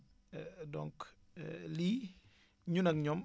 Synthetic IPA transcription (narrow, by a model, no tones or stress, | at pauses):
dɔŋk | li | ɲunɐkɲɔm